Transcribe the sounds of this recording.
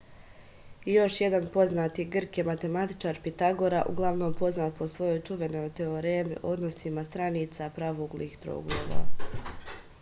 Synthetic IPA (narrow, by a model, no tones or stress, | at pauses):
jo̞ʃje̞d̪anpo̞znaːt̪iɡr̩kjemat̪e̞mat̪i̥t͡ʃaːɾpit̪aɡoɾaʔuɡlˠaʋno̞ːmpo̞znaːt̪̚po̞sʋo̞jo̞jt͡ʃuʋe̞no̞jt̪eoɾeːmḭʔo̞d̪no̞simast̪ɾaniːt̪sapɾaːʋoɡliːxt̪ɾo̰ɡlˠoːʋa̰